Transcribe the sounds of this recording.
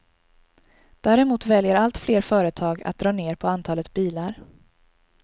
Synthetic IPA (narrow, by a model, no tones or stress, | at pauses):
d̪̥æːɾɛmuːt̪vɛljəɾalt̪fleːɾfœːɾət̪ʰɑːɡa̰t̪̚d̪ɾɑːneːɾpʰɔant̪ʰɑːlət̪biːlaɾ